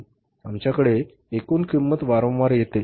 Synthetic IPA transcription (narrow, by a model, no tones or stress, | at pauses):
amt͡ɕjakəɽe | ekuːnkimːət̪ʋaɾə̃wʋaɾjet̪e